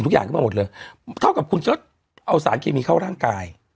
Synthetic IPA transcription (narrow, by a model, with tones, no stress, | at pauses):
nt̪ʰu˦˥kjaː˨˩ŋʰkmːa˧m˨˩t̚lɤː˧jt̪ʰa˥˩wka˨˩p̚kʰu˧nt͡ɕaː˦˥ | ʔa˧ws̬aː˩˦nkʰeː˧miː˧kʰaː˥˩wɾaː˥˩ŋkaː˧j